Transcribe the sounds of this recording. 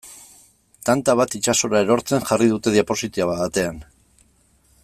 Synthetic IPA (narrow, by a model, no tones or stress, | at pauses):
t̪ant̪aβ̞at̪it͡ʃaso̞ɾae̞ɾo̞ɾt͡se̞ŋʝarið̞ut̪e̞ðiapo̞sit̪iaβaðat̪e̞an